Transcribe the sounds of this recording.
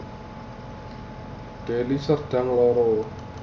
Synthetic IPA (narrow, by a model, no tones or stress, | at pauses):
ɖ̪̥elisərɖ̥aŋlɔɾɔ